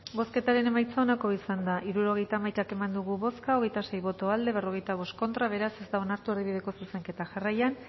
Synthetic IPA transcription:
bo̞ske̞t̪aɾe̞ne̞majt͡saonako̞isand̪aʔiɾuɾo̞ɣ̞e̞jt̪amajt̪ake̞mand̪uɣuβo̞skaoɣe̞jt̪ase̞jβo̞t̪o̞ald̪e̞βe̞ro̞ɣ̞e̞jt̪aβ̞o̞st̪̚ko̞nt̪ɾaβe̞ɾase̞zt̪ao̞naɾt̪uaɾðiβið̞e̞ko̞suse̞ŋke̞t̪aʝarajan

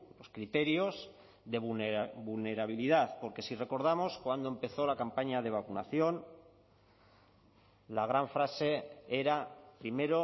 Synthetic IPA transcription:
lo̞skɾit̪e̞ɾjo̞z | ðe̞βuβulne̞ɾaβ̞iliðaθpo̞ɾke̞sire̞ko̞ɾð̞amo̞skwand̪o̞e̞mpe̞θo̞lakampaɲað̞e̞β̞akuna̰θjo̞n | laɣ̞ɾaɱfɾase̞e̞ɾapɾime̞ɾo̞

